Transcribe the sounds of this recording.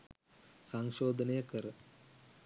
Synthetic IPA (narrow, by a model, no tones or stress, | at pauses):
sɐŋʃoːd̪ʱɐnejɐkɐɾɐ